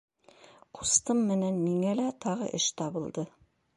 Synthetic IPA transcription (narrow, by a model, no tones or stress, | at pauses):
qu̥st̪ɤmːɘ̆nænmiŋælæt̪ɑʁɤ̰ʔɘʃt̪ɑβɤ̆lˠd̪ɤ